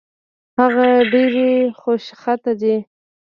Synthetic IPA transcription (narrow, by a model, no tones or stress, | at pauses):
haɣaɖeɾexoʃxat̪ad̪i